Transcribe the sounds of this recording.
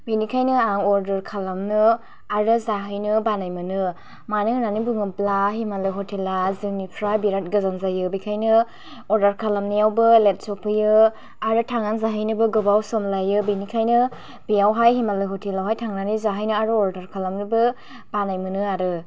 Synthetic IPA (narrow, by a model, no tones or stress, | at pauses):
binikʰajnɯaŋɔɾdɐɾkʰalamnɯ | aɾɯzaɦɯjnɯbanajmɯnɯ | manihnanibɯŋɯblaɦimalɯɦɔtelazɯŋnipʰɾajbiɾat̚ɡɯzanzajɯbikʰajnɯ | ɔɾdaɾkʰalamnijawbɯlet̚sɔpʰɯjɯ | aɾɯtʰaŋanzaɦɯjnɯbɯɡɯbawsɔmlajɯbinikʰajnɯ | bijawɦajɦimalɯɦɔtʰelawɦajtʰaŋnanizaɦɯjnɯaɾɯɔɾdaɾkʰalamnɯbɯ | b̥anajmɯnɯaɾɯ